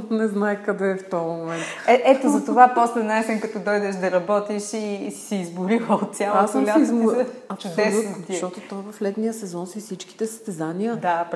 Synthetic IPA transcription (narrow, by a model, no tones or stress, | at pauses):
t̪nɛznajkɐd̪ɛːft̪ɔmomɛnt̪ɛʔɛt̪ozɐt̪ovapɔslɛnaɛsɛnkɐt̪ɔd̪ɔjd̪ɛʃd̪ɐɾɐbɔt̪iʃisi̥siːzboɾilˠəot̪̚sʲjalˠasəmlʲaizmoɐpsd̪oɛlut̪ʃt̪ɔt̪ot̪ɔjvɐflɛt̪nijəsɛzɔnsisit͡ʃki̥t̪ɛsɐ̥st̪ɛzanijəd̪ap